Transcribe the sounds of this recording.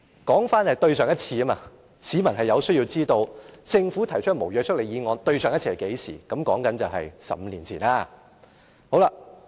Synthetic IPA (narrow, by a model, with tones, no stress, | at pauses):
kɔː˨˥ŋfaː˥nhɐ˨jt̪ɵ˧ɥsœː˨˩ŋjɐ˥t̚t͡sʰiː˧ɐ˥ma̰ː˧ | siː˨˥mɐ˨˩nɦɐ˨jɐ˨˧wsɵ˥ɥjiː˧wt͡siː˥t̪o˧wt͡sɪ˧ŋfuː˨˥t̪ʰɐ˨˩jt͡ʃʰɵ˥mo˨˩wjœː˧t͡ʃʰk̚le˨jiː˨˧ŋɔː˧nt̪ɵ˧ɥsœː˨ŋjɐ˥tt͡sʰiː˨˥˩ɐ˨˩ke˨˥jsḭː˨˩kɐ˨˥mkɔː˨˥ŋkɐ˨˥nt͡sɐ˨wɦɐ̰˨jsɐ̰˨m̩˧liː˨˩nt͡sʰiː˨˩naː˧ | ho˨˥wla˧